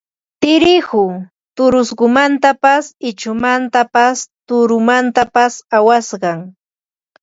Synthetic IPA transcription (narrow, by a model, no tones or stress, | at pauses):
t̪ɪɾɪxhʊ | t̪ʊɾʊsɢʊmant̪apasɪt͡ʃʊmant̪apast̪ʊɾʊmant̪apasawasɢɑŋ